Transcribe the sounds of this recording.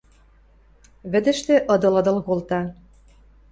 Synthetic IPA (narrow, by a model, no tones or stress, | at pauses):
βɘ̆d̪ɘ̆ʃt̪ĕʔɤ̆d̪ɤ̆lɤ̆d̪ɤlkolt̪ɑ